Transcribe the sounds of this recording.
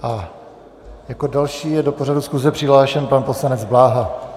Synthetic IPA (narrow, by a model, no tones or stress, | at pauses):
ʔa | jako̞dalʃiːjɛdo̞po̞r̝adusxuzɛpr̥ɪɦlaːʃɛnpanpo̞slanɛd͡zblaːɦa